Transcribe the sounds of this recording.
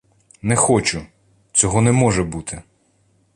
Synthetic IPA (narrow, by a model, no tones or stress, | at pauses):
nɛxɔt͡ʃʊ | t͡sʲɔɦɔnɛmɔʒɛbut̪ʰɪ